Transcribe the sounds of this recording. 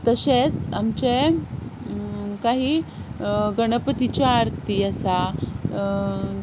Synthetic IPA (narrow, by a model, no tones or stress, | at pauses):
t̪əɕet͡samt͡ɕe | kaɦiː | ɡəɽ̃əpət̪it͡ɕjaːɾt̪iəsa